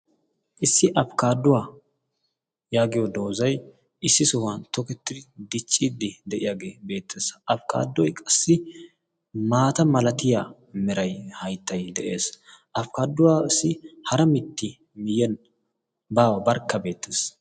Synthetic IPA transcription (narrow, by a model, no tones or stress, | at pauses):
ʔɪsːɪʔɐfkaːd̪ːʊwaː | jaːɡɪjɔd̪o̞ːzɐj | ʔɪsːɪsɔwant̪ɔkɛt̪ːɪd̪ɪd̪ɪt͡ʃʼːid̪ɪd̪ɛʔɪjaːɡe̞ːbe̞ːt̪ːeːsʔɐfka̰ːd̪ːɔjkʼɐsːɪ | maːt̪ɐmɐlɐt̪ɪja | mɛɾɐjhɐjt̪ːɐjd̪ɛʔe̞ːsʔɐfkaːd̪ːʊwaːɪsːɪhɐɾɐmɪt̪ːɪ | mɪjɛn | baːwɐbɐɾkːɐbe̞ːt̪ːeːs